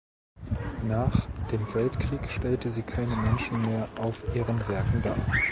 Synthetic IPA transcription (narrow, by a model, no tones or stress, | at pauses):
naːχd̥eːmvɛltkʁ̥iːkʃtɛltəziːkʰaɪnəmɛnʃn̩meːɐʔaʊfʔiːʁənvɛɐkŋ̩da̰ːɐ